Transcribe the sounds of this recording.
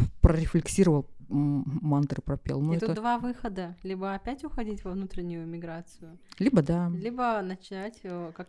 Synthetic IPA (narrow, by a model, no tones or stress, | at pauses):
pɾəɾʲɪflʲɪksʲiɾəvəlˠ | mant̪ɾɨpɾɐpʲḛlˠnoɛt̪əd̪vavɨxəd̪əlʲibəɐpʲætʲʊxɐdʲitʲvɐvnut̪ɾʲɪnʲːʊjʊmʲɪɡɾat̪sɨjʊlʲibəd̪alʲibənət͡ɕɪnatʲəkak